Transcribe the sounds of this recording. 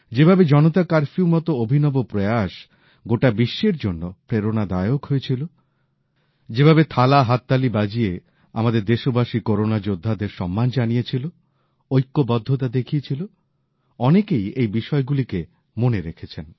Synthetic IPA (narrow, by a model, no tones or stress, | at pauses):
d͡ʑebʱabed͡ʑɔnot̪akaɾfiumɔt̪oobʱinɔbopɾojaʃ | ɡoʈabiʃːeɾd͡ʑonːopɾeɾonad̪ajokɦojet͡ɕʰilo | d͡ʑebʱabet̪ʰalaɦat̪ːalibad͡ʑie | a̰mad̪eɾd̪eʃobaʃikoɾonad͡ʑod̪ʱːad̪eɾʃɔmːand͡ʑanijet͡ɕʰilo | ojkːobɔd̪ʱːot̪̬ad̪ekʰiet͡ɕʰilo | ɔnekejejbiʃɔeɡulike | moneɾekʰet͡ɕʰen